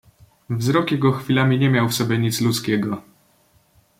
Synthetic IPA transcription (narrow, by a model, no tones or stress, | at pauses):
vzɾɔkjɛɡɔxfʲilamʲiɲɛmʲjawfsɔbʲjɛɲit̪slut̪skʲɛɡɔ